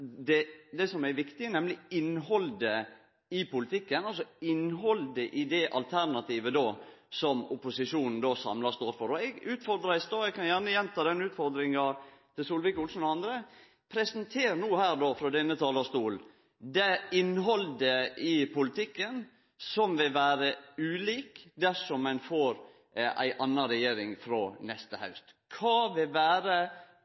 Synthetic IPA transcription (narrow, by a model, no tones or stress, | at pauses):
d̪ɛd̪ɛsɔmæɾʋɪkt̪ɪənɛmlɪɪnɦɔld̪ə | ɪpʊlɪt̪ʰɪkːənɑlsɔɪnɦɔld̪əʔɪd̪ɛʔɑ̰lt̪ʰæɾnɑt̪iːʋəd̪oːsɔmʊpʊsɪʂuːnn̩d̪oːsɑ̰mlɑɾst̪uːɾt̪fɔɾɔɛɡʉːt̪fɔɾd̪ɾɑsd̪oːɛɡ̚kʰɑnjæɾnəjɛnt̪ʰɑːd̪ɛnːʉːt̪fɔɾd̪ɾɪŋɑt̪ʰɪlsuːlʋɪkʊlsn̩ɔɑnd̪ɾə | pʰɾɛsənt̪ʰeːɾnuːhæːɾd̪oːfɾɔd̪ɛnːət̪ʰɑːlɑst̪uːl | d̪ɛɪnɦɔld̪əɪpʊlɪt̪ʰɪkːən | sɔmʋɪlʋæːɾəʉːliːkd̪æʂɔmːɛnfoːɾ | ʔæ̰ɪʔɑnːɑɾɛjeːɾɪŋfɾɔːnɛst̪əhɑ̰ʉst̪kʰɑːʋɪlʋæːɾə